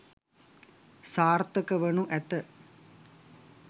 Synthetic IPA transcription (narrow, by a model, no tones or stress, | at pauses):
saːrt̪əkəʋənuʔæt̪ə